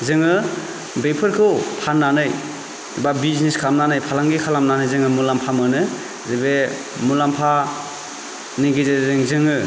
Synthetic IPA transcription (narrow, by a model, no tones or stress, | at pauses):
zɯŋɯ | bepʰɯɾkʰɯwpʰanːanɯj | babizniskʰamnanɯjpʰalaŋɡikʰalamnanɯjzɯŋɯmulampʰamɯnɯ | zebe | mulampʰa | niɡizezeŋzɯŋɯ